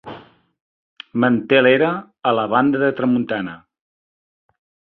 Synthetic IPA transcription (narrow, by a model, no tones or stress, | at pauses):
mənt̪eleɾəː | ləβand̪əðət̪ɾəmunt̪anə